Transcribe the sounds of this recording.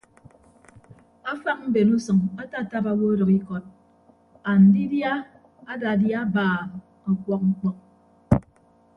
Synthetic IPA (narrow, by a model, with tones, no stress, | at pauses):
a˦fa˦k̚m̩˦be˨nu˦sʌ˨ŋa˦ta˦˨ta˦pa˦wo˦ɾʌ˨ki˦kɔ˨t̚ | a˨n̩˨di˦dja˦ | a˦da˨dja˦baː˨ | a˨kwɔ˦k̚ŋ̩˦k͡pɔ˦k̚